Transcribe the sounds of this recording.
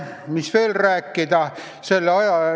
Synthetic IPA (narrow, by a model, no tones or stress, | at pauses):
misʋeːlræːkːid̪æ | selːɑjɑ